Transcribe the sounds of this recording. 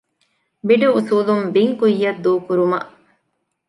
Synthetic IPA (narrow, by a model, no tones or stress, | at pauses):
biɖuusuːlumbiŋkujːɐd̪ːuːkuɾumɐ̰ʔ